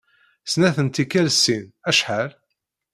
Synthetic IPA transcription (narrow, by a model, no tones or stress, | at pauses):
snæθənt̪ikːælsːinæʃħaɾ